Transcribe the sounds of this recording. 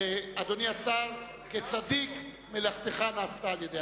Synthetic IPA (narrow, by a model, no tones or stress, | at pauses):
ead̪oniasaʁ | ket͡sad̪ik | melaχt̪eχanaːst̪aːljed̪e